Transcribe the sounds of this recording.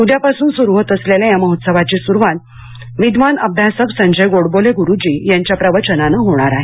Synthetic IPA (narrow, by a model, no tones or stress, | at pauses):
udjapasuːnsuɾuʋət̪əsleljajaməɦot̪səbʱat͡ɕisuɾʋan | ʋid̪ʋanəb̚d̪ʱjasəksəɲd͡ʑəjɡoɽboleɡuɾud͡ʑiːjaɲt͡ɕjapɾəʋət͡ɕənanaɦoɽ̃aɾaɦe